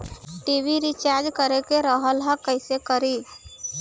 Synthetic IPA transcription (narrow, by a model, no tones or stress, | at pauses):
ʈibʱiɾit͡ʃaɾd͡ʒkəɾekeɾəɦəlɦəkəɪsekəɾi